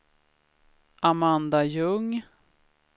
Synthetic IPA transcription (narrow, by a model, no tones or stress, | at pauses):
ʔamand̪ajɵŋ